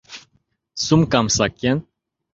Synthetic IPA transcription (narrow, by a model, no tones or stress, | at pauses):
sumkamsakɛn